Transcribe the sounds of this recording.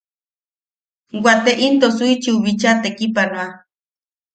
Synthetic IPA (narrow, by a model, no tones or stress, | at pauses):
wat̪eʔint̪osuit͡ʃiuβit͡ʃat̪ekipanwa